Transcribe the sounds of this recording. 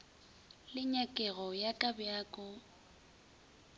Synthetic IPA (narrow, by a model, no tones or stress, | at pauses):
lɪɲakʼɛɣɔjakʼabjaːkʼɔ